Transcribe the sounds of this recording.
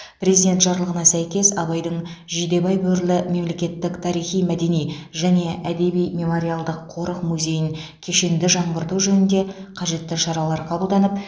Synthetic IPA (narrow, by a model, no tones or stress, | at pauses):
pre̞zid̪e̞nt̪ʒɑɾlˠəʁənɑsæjkʲe̞sɑβɑjd̪əɴʒid̪e̞bɑjbɵɾlɪme̞mle̞kʲe̞t̪ːɪkt̪ʰɑɾijχijmæd̪e̞nijʒæne̞ʔæd̪e̞bijme̞mo̞ɾialˠd̪əqʰːo̞ɾəqmuzʲe̞jɪŋkʲʰe̞ʃe̞nd̪ɪʒɑɴʁəɾt̪uʒɵnɪnd̪e̞qʰɑʒe̞t̪ːɪʃɑɾɑlˠɑɾqʰɑbəlˠd̪ɑnəp̚